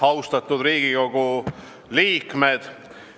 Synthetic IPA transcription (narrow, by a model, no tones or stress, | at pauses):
ɑwst̪ɑt̪ːˑud̪̥ɾiːɡ̥ikoɡ̥u | liːkmed̪̥